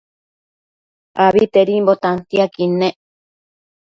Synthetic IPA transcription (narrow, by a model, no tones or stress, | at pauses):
aβit̪eɾimbot̪ant̪iakine